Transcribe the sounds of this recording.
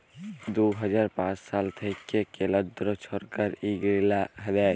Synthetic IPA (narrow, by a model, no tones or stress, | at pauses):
d̪uɦəd͡ʒaːɾpãːt͡ʃsaːlt̪ʰəkːekeləd̪ɾot͡ʃʰɔɾkəɾiɡɾilaɦəd̪ɛː